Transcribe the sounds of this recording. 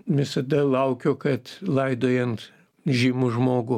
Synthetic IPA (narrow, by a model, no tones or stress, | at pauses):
ʋʲɪsɐd̪ɐlˠɐʊkʲoːkɐt̪lˠɐɪd̪oːjɛnt̪ | ʒʲɪmʊʒmoːɡʊ